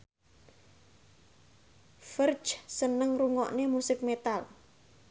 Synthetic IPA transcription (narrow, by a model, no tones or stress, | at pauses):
fər̥d͡ʒsənəŋruŋɔ̰ʔnemusɪk̚met̪al